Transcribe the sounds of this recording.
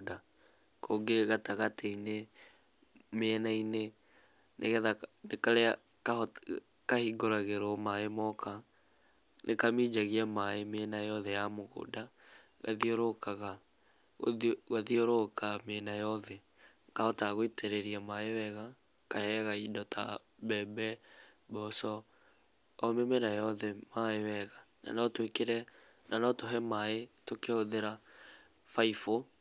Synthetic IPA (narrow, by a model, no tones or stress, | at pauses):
da | kʰoɡeɣataɣateine | meɛnaine | neɣɛðanekaɾa | ka | kahiɡoɾaɣeɾɔmaemɔkʰa | nʔekamid͡ʒaɣiamaemenajɔðɛjamoɣo̰ːda | ɣa̰ðioɾokaɣa | ɣaðioɾokamenajɔðɛ | ŋɡaɔtaɣoetʰeɾɛɾiamaewɛɣa | kahɛɣaidɔtʰa̰ | βɛbɛ | bɔsɔː | memɛnajɔðɛmaewɛɣana̰nɔtwekeɾɛ | nanɔtoɦɛmaetokeoðeɾa | faifo